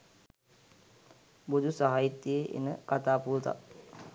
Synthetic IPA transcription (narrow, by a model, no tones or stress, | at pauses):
bud̪ʱusaɦait̪ːieʔḛnə̰kat̪aːpuːt̪a̰